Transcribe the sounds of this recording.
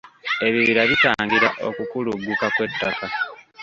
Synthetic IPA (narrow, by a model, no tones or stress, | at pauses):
e̞βiβiɾaβitaːŋɡiɾaʔo̞̰kukuluɡːukakwe̞tːaka